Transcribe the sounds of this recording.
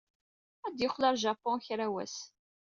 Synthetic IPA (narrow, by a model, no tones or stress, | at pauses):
æd̪jəχːlɑɾˤʒapːɔ̃çɾæwæ̰s